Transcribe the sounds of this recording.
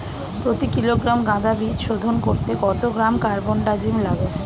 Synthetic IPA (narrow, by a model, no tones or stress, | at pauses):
pɾot̪ikiloɡɾamɡãd̪abid̪ʃod̪ʱonkoɾt̪eɡɔt̪oɡɾamkaɾbonɖad͡ʑimlaɡo